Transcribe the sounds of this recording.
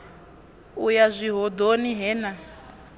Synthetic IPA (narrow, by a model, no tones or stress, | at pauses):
ujazʷiɦɔd̪oniɦɛːna